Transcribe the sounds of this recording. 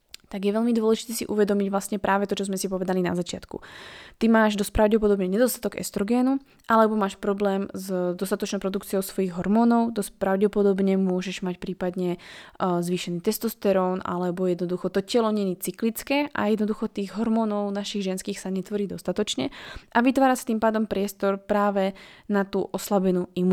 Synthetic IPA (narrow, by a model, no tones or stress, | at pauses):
t̪aɡjɛʋɛʎmid̪ʊɔlɛʒit̪ɛːsḭʔuʋɛd̪ɔmiɟʋlast̪ɲɛpɾʔaːʋɛt̪ɔt͡ʃɔzmɛsipɔʋɛd̪alina̰zat͡ʃɪat̪kṵt̪imaːʒd̪ɔspɾaʊɟɛpɔd̪ɔbɲɛɲɛd̪ɔst̪at̪ɔɡɛ̰st̪ɾɔɡɛːnu | ʔalɛbɔmaːʃpɾɔblɛːmzd̪ɔst̪at̪ɔt͡ʃnɔ̃pɾɔd̪ukt͡sijɔʊsʋɔjiɣɦɔɾmɔːnɔʊd̪ɔspɾaʊɟɛpɔd̪ɔbɲɛmʊɔʒɛʒmacpɾiːpad̪ɲɛ | zʋiːʃɛniːt̪ɛst̪ɔst̪ɛɾɔːna̰lɛbɔjɛd̪nɔd̪uxɔt̪ɔcɛlɔɲɛniːt͡siklit͡skɛːʔa̰jɛd̪nɔd̪uxɔt̪iːɣɦɔɾmɔːnɔʊnaʃiɣʒɛnskiːxsaɲɛt̪ʋɔɾiːd̪ɔst̪at̪ɔt͡ʃɲɛʔaʋit̪ʋaːɾasi̥t̪iːmpaːd̪ɔmpɾɪɛst̪ɔɾpɾaːʋɛnat̪ṵːʔɔslabɛnuːim